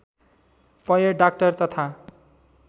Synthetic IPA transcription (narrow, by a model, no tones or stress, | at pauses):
pʌjʌɖak̚ʈʌrt̪ʌt̪ʰa